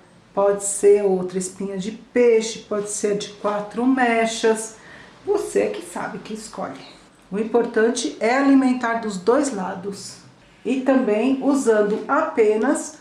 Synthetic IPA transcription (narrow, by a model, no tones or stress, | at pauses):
pɔd͡ʒɪseɾowt̪ɾɐɪspĩɲɐd͡ʒɪpeʃɪpɔd͡ʒɪseɾd͡ʒɪkwat̪ɾʊmɛʃɐsvosekɪsa̰bɪkɪɪskɔ̰ʎɪ | ʊĩpoɾt̪ɐ̃nt͡ʃɪɛalimẽnt̪aɾd̪ʊzd̪ojzlad̪ʊs | ɪt̪ɐ̃mbẽj̃uzɐ̃nd̪ʊʔapẽnɐs